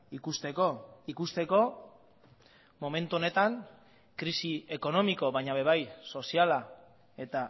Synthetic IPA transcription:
ikust̪e̞koikust̪e̞ko̞ | mo̞me̞nt̪uo̞ne̞t̪aŋ | kɾisie̞ko̞no̞miko̞βajɲaβe̞β̞ajso̞siala | e̞t̪a

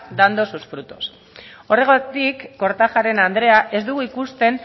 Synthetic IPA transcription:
d̪and̪o̞susfɾut̪o̞s | o̞re̞ɣot̪ikːo̞ɾt̪axaɾe̞nand̪ɾe̞aʔe̞zd̪uɣuikust̪e̞n

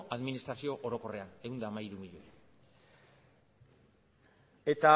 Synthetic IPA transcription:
aðminist̪ɾasio̞ʔoɾo̞ko̞re̞aeund̪aːmaiɾumiʎoe | e̞t̪a

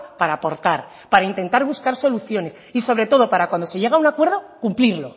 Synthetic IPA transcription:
paɾaːpo̞ɾt̪aɾ | paɾaint̪e̞nt̪aɾβuskaɾso̞luθjo̞ne̞s | iso̞βɾe̞t̪o̞ð̞o̞paɾakwand̪o̞se̞je̞ɣ̞aunakwe̞ɾðo̞kumpliɾlo̞

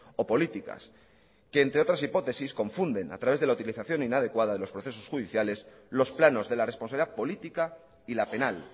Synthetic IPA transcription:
o̞po̞lit̪ika̰s | ke̞ːnt̪ɾeo̞t̪ɾasipo̞t̪e̞sisko̞ɱfund̪e̞na̰t̪ɾaβe̞zðelaut̪iliθaθjo̞ninaðe̞kwaðaðe̞lo̞spɾo̞θe̞so̞sxuðiθjale̞s | lo̞splano̞zðe̞laresponaβliðapo̞lit̪ika | ilape̞nal

